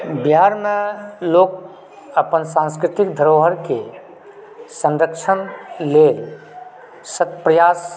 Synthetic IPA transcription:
biɦaɾmeloːk | əpənsãnskɾɪt̪ikd̪ʱəɾoɦəɾke | sə̃nɾəkt͡ʃʰənlel | sət̪pɾəjas

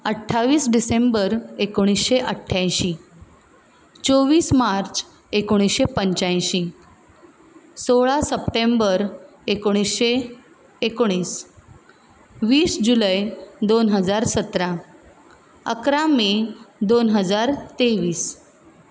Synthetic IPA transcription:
əʈʰːaʋiːsɖisembəɾekoɽ̃isɕeʔəʈʰːajɕi | t͡soʋiːsmaɾt͡s | ekoɽ̃isɕepəɲt͡ɕaj̃ɕi | soɭasəpʈembəɾ | ekoɽ̃isɕeː | koɽ̃iːs | ʋiːsd͡ʑuləjd̪onɦəd͡zaɾsət̪ɾã | ə̰kɾamid̪onɦəd͡zaɾt̪eʋiːs

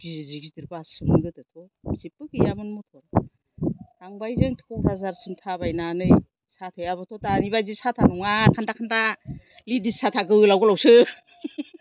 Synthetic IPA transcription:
ɡ̥iziziɡizdiɾbasɯmɯɡɯtɯtʰɔzipɯkijamɯnmɔtʰɔɾ | taŋbajzeŋtʰu̥kʰɔbʰazaɾsɯmtʰabajnanɯj | satʰɯjaβɯtʰɔtanibazisatʰanɔŋakʰandakʰanda | lidissatʰaɡɯɯlawɡɔlawsɯ

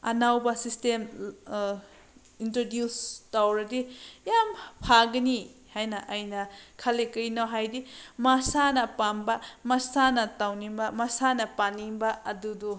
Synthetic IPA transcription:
ɐnawbɐsistem | intɾodjustawɾɐdijampʰaɡɐnihajnɐʔɐjnɐkʰɐlekɐjnawɦajdimasanɐpambɐmɐsanɐtawnibɐmasanɐpanibɐɐdudu

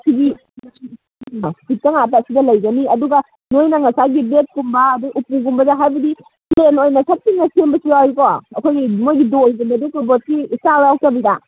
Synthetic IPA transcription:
ɐsiɡi | pit̚kɐŋatasidɐlɐjɡɐniɐduɡɐ | nojnɐŋɐsaɡibet̚kumbɐːduɡʔupuɡumbɐdɐɦajbɐdi | plenojnɐsʰɐt̚siŋːɐsembɐsiawjkɔɐkʰojɡimojɡidojɡumbɐdikɔbot̚kisaɾawk̚tɐbida

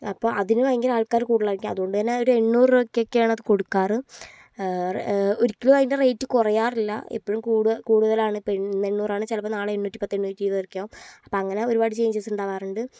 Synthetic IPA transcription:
ɐpːo̞ːʔɐðinuʋɐjŋɡilaːɭkaːɾɨkuːɽðɐlɐrɐkʲːuɐðuɣo̞ɳɖɨtɐnːeoɾue̞ɳːuːrokːjokːejaːɳɐðɨko̞ɽukːaːrɨ | roɾikʲːiloːʋɐjinderejtːɨkurɐjaːrilːɐ̰ḭpːoɻumkuːɽkuːɽuðɐlaːɳɨipːoinːɐeɳːuːraːɳɨt͡ɕɐlɐpːɐnaːɭɨeɳːuːtːipɐt̪ːeɳːuːtːiːðɐrikʲːaːʋumɐpːo̞ːɐŋːɐne̞o̞ɾubaːɽɨt͡ɕe̞jːɲt͡ɕːesuɳɖaːʋaːrɨɳɖɨ

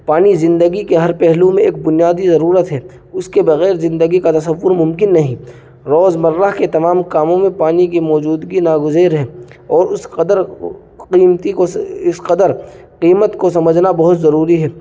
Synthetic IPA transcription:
paːnizɪ̃nd̪əɡikeɦɐɾpɛɦlũmẽeːk̚bʊnijaːd̪izɐɾuːɾət̪ɦɛː | ʊskebɐɣɛːɾzɪ̃nd̪əɡikat̪ɐsɐʋːʊɾmʊ̃mkɪnːɐɦĩ | ɾɔːzmɐɾːaɦket̪ɐmaːmkaːmõmẽpaːnikimɔːd͡ʒuːd̪ɡinaːɡʊzeːɾɦɛːɔːɾʊsd̪əɾ | qiːmt̪ikɪsqɐd̪əɾ | qiːmət̪kosɐməd͡ʒʱnabɐɦʊt̪zɐɾuːɾiɦɛː

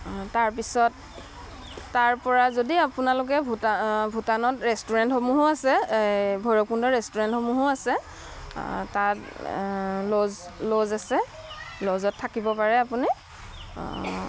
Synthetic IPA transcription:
taɹpisɔt | aɹpɔɹazodiapunalʊk̬ɛbʱbʱutanɔtɹɛstuɹɛntxomuɦoasɛbʱɔjɹɔk̚pundɔɹɛstuɹɛntxomuɦoasɛ | tat | lozlozasɛ | lɔzɔtʰːakibɔpaɹɛapuni

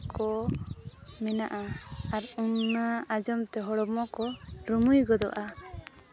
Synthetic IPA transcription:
kɔ | mɛnaʔaaɾunːaad͡ʒɔmt̪ɛɦɔɽɔmɔkɔɾumujɡɔd̪ɔ̰ʔa

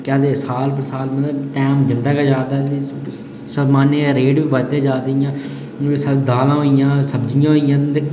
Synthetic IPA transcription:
kaːd̪eːsaːlpəɾsaːlmət̪ləbʈ̪ɛːmd͡ʒɪnd̪aːkaːd͡ʒaːd̪aːt̪e | səmaːneɾeːɖbiːbət̪ẽːd͡ʒaːd̪eijãː | səd̪aːlãːɦoːijãːsəbd͡ʒɪjãːɦoːijãːd̪e

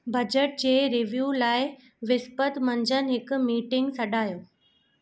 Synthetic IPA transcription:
bʱɐd͡ʑəʈ̚d͡ʑeːɾɪʋjuːlaːɪ | ʋɪspət̪mɐɲd͡ʑənɪ̆ɦɪkʊmiːʈɪ̃ŋɡsɐɗaːjoː

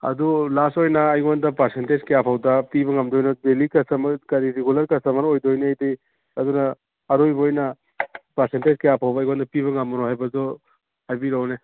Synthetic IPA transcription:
ɐ̰dulasojnɐːjɡandɐpaɾsentezkejapʰawdɐpiβɐŋɐmdojnodelikɐsɐmkɐɾiɾeɡulɐɾkɐsɐmɐnojdojneajdej | ɐdunɐː | ɾojbojnɐ | pɐɾsentezkejapʰawbɐːjɡwandɐpiβɐŋɐmɐnoɦajbɐzo | ajbiɾawne

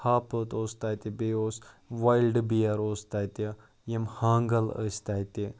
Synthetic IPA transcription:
haːpət̪oːst̪ajt̪ibeoːsʋajlɖbijɐɾoːst̪ajt̪i | jemhaːŋɡɐlə̰sʲt̪ajt̪i

